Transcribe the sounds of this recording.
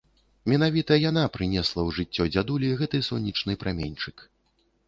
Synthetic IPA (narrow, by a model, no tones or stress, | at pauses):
mʲɛn̪avʲit̪ɐjan̪apɾɨnʲɛslˠɐwʐɨt͡sʲːɔd͡zʲad̪ulʲiɣɛt̪ɨsɔnʲːit͡ʂnɨpɾamʲenʲt͡ʂɨk